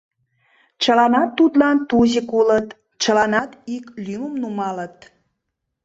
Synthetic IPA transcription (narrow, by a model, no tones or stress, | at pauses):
t͡ɕəlɑnɑt̪ːut̪lɑnt̪uzikulət̪ | t͡ɕəlɑnɑt̪iklymumnumɑlət̪̚